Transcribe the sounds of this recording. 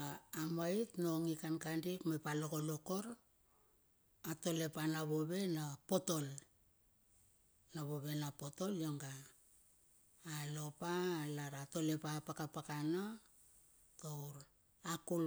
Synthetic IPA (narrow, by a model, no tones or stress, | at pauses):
amaitno̞ŋikankandipmepalo̞koloko̞ɾ | ato̞le̞panaβo̞βe̞napo̞to̞l | naβo̞βe̞napo̞to̞ljo̞ŋɡa | lo̞palaɾato̞le̞papakapakana | towɾ | akul